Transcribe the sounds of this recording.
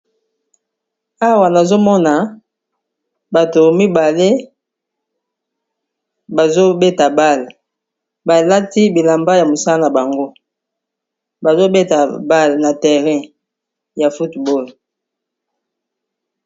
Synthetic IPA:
a˦wa˨na˨zo˦mɔ˦na˨ | ba˨to˨mi˦ba˨le˦ | ba˨zo˦be˦ta˨ba˦˨l | ba˨la˦ti˦bi˨la˨mba˦ja˨mo˨sa˦a˦na˨ba˨ŋɡo˦ | ba˨zo˦be˦ta˨ba˦˨lna˨tɛ˨ʁɛ̃˦ | ja˨fu˦tbo˦l

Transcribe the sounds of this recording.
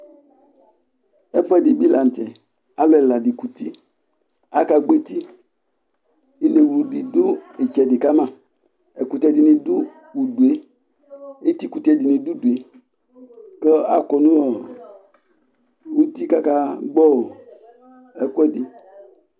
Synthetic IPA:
ɛ˦fɛ˦˨dɪ˨bi˦la˨n̩˨tɛ˨ | a˦lo˦ɛ˨la˨di˨ku˨t̪i˦ | a˦ka˨ɡ͡be˦t̪i˦ | i˦le˨wu˨di˨dʊ˦e˨t͡ʃɛ˨dɪ˨ka˦mã˦˨ | ɛ˨ku˨t̪ɛ˦˨dɪ˨nɪ˨dʊ˦ | wu˨du˨e˦ | e˦t̪i˦ku˨tɛ˨di˨nɪ̃˨du˦du˨e˦ | kɛ˦a̰˦˨kɔ˨nũ˦ɔ˨ | wu˦t̪i˦ka˦ka˦ɡ͡bɔ˦˨ | ɛ˦kwɛ˦dɪ˨

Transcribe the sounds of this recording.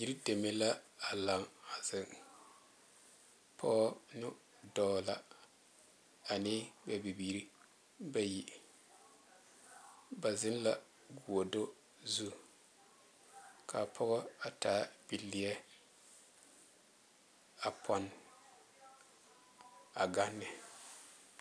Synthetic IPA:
ji˦ɾi˦de˨me˦la˦a˨la˨ŋa˨zɪ˨ŋ | pʰɔ˦ɔ˦nʊ˦ | dɔː˦la˦ | a˨nɪː˦ba˨bi˨biː˨˦ɾi˦ | ba˦ji˨ | ba˨zɪ˦n˦la˦ | ɡu˨o˨do˦ | zu˦ | kʰa˨pʰɔ˦ɣɔ˦a˨taː˦b̥i˨lːɪ˨jɛ˦ | a˨pʰɔ˨˦n | a˨ɡa˦nːɪ˨

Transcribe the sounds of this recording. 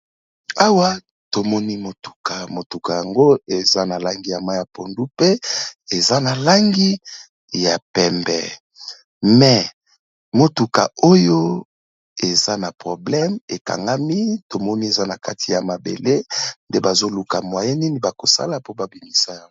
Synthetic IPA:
a˦wa˦ | to˨mɔ˦ni˦mo˨tu̥˨ka˨mo˨tu˨ka˨ja˨ŋɡo˦e˨za˦na˨la˦ŋɡi˦ja˨ma˦ja˨po˨ndu˦pe˦e˨za˦na˨la˦ŋɡi˦ | ja˨pɛ˨mbɛ̰˨ | mɛ˨ | mo˨tu˨ka̰˨o˦jo˦ | e˨za˦na˨pʁo˨blɛ˦me˨ka̰˨ŋɡa˦mi˦to˨mɔ˦ni˦e˨za˦na˨ka˦ti˨ja˨ma˨bḛ˨le˦nde˦ba˨zo˦lu˨ka̰˨mwa˨je˦ni˦ni˨ba˨ko˨sa̰˦la˨po˦ba˨bi˨mi˦sa˦ja˦ɡo˦

